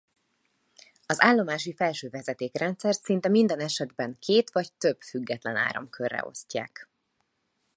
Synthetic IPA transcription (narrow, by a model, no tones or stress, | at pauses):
ɒzaːlːo̞maːʃ̬ifɛlʃøːvɛzɛt̪eːkrɛnt̪sɛrt̪sint̪ɛmind̪ɛnɛʃɛd̪bɛŋkʰeːt̪ʋɒct̪øb̥fyɡːɛt̪lɛna̰ːɾɒ̰mkʰørːɛ̰o̞̰scːa̰ːk